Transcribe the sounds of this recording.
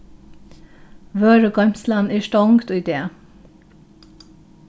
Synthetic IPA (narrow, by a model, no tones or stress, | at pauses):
ʋøːɾəɡɑmslɑnæːʃʈɔŋɡt̪uːd̪eː